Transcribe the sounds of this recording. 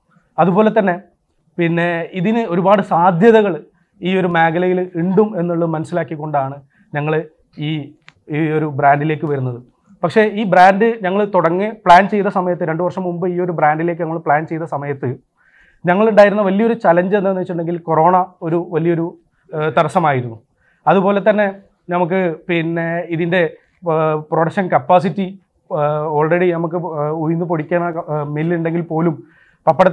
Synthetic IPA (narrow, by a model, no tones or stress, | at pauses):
ɐðubo̞ːle̞t̪̬ːɐnːe̞ | pinːe̞iðinɨo̞ɾubaːɽɨsaːd̪ʱjɐðɐɣɐɭ | iːo̞ɾumeːɡɐlɐjiliɳɖume̞nːuɭːɐɨmɐnɐsːilaːkːikʲːo̞ɳɖaːɳɨ | ɲɐŋːɐɭ | iː | o̞ɾubɾaːnɖile̞ːkːɨʋɐɾunːɐðɨ | pɐkʂe̞iːbraːnɖɨɲɐŋːɐɭt̪uɽɐŋːipɭaːnt͡ɕe̞jt̪ːɐsɐmɐjɐt̪ːɨɾe̞ɳɖɨʋɐrʂɐmːumbɨiːo̞ɾubraːnɖile̞ːkːɨɲɐŋːɐɭpɭaːnt͡ɕe̞jt̪ɐsɐmɐjɐt̪ːɨ | ɲɐŋːɐɭuɳɖaːjiɾunːɐʋɐliɐo̞ɾut͡ɕɐlɐɲd͡ʑenːenːɨʋɐt͡ɕːʈːuɳɖeŋɡilko̞ro̞ːɳɐo̞ɾuʋɐlijɐo̞ɾu | t̪ɐɾɐsɐmaːjiɾunːu | ɐðupo̞ːle̞t̪ɐnːe̞ | nɐmuk̬ːɨpinːeiðinde̞ | proːɽɐk̚ʂɐnkɐpːaːsitːi | o̞ːɭreɽinɐmukːɨujinːɨpoɽikʲːaːnɐmilːuɳɖe̞ŋɡilpo̞ːlum | pɐpːɐɽɐ